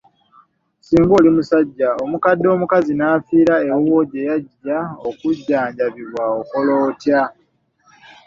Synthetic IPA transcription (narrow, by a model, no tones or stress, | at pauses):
siːŋɡoːlimusaɟːaomukadːo̞ːmukazinaːfiːɾaewo̞ɟe̞jaɟːaokuɟːaːɲɟaβiβwaoko̞loːtja